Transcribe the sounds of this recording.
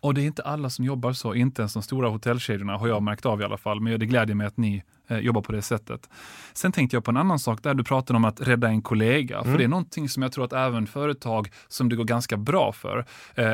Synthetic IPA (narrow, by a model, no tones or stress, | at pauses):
ɔd̪ɛːɾɪnt̪əʔalːasɔmjɔbːaɾsɔʔɪnt̪əɛnsd̪ɔmst̪uːɾahʊt̪ʰɛlːɕeːd̪jʊɳaɦaɾjɑːmæɾkt̪ɑvɪa̰lʔa̰falːmɛnjd̪ɛɡlɛːd̪jəmɛjat̪nɪ | jɔbːaɾpʰɔd̪ɛsɛt̪ʰːə̰t̪sɛnt̪ʰɛŋkt̪əjɑpʰɔɛnanːansɑːkd̪ɛæɖɵpʰɾɑːt̪ad̪əɔmat̪ɾɛd̪ːaɛnkʰʊleːɡa̰ffœɖɛæɳɔnt̪ʰɪŋsɔmjɑɡt̪ɾuːɾat̪ɛːvənfœːɾət̪ʰɑːɡ | sɔmd̪ɛɡoːɾɡanskabɾɑ̰ːfœ̰ɾ